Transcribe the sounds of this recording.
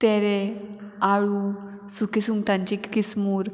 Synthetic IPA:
t̪ɛɾe | aɭu | sukisuŋɡt̪ãɲt͡ɕikkismuːɾ

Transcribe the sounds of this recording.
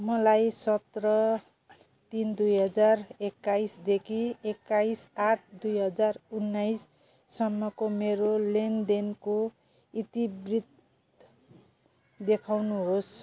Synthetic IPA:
mʌlajsʌt̪rʌ | t̪ind̪ujɦʌd͡zarekːaisd̪ekʰiekːajsaʈ̚ʰd̪ujɦʌd͡zarunːajsː | ʌmːʌkomeɾolend̪enko | it̪ibrit̪̚ | d̪ekʰawnuɦos

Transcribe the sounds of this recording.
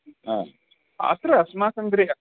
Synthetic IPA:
a̰ | ɐ̰t̪ɾɐɐsmaːsɐnd̪ɾi

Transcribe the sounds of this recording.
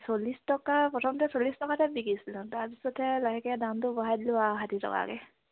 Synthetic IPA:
solistɔkapɔtʰɔmtɛsolistɔkatabikisilʊ̃tapisɔtʰɛlaɦɛkɛdantʊbɔɦajdlʊaɦatitʰɔ̰ka̰kɛ̰

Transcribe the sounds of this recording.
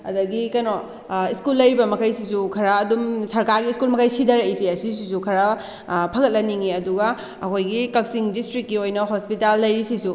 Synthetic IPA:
ɐ̰dɐɡikɐjno | iskulːɐjɾibɐmɐkʰɐjsisukʰɐɾɐːdumsɐɾkaɾɡiːskulmɐkʰɐjsidɐɾejsiɐsis̬isukʰɐɾɐ | pʰɐɡɐt̚lɐniŋiɐduɡɐ | ɐkʰojɡikɐksiŋdistɾik̚ːiojnɐɦospitalːɐjɾisisu

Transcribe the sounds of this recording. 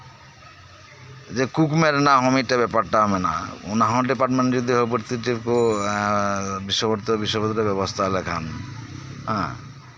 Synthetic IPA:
d͡ʒekukmeɾnaɦɔmiʈabɛpaɾʈaɦɔmena̰ṵnaɦɔ̃ɖipaɾʈmẽɳʈd͡ʒɔd̪iɦɔbiɾt̪iʈiko | biʃːɔbɔɾt̪ɔbiʃɔbt̪ːɔɾebɛbɔst̪ʰalɛkʰan | ɦɛ̃

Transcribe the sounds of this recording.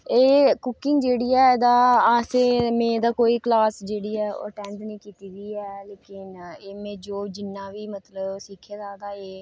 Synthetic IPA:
eːkʊkɪ̃ŋɡd͡ʒeːɽiːɛːd̪aːaːseːmẽːd̪aːkoːiːklaːsd͡ʒeːɽiːɛːo̰ʈɛ̃ːɳɖnĩːkiːt̪iːɡiːɛːleːkɪneːmẽːd͡ʒoːd͡ʒɪnːãːʋiːmət̪ləbsikʰeːd̪aːd̪aːeː

